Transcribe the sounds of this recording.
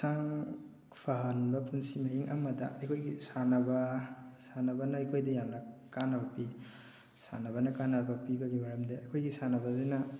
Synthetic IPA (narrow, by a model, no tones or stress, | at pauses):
saŋ | pʰaɦɐnbɐpunsimɐɦiŋʔa̰mɐdɐ̰ɐjkʰojɡisanɐbɐsanɐbɐnɐɐjkʰojdɐjamnɐkanɐbɐpi | sa̰naβɐnɐkanɐbɐpibɐɡibaɾɐmdeɐkʰojɡisanɐbɐzenɐ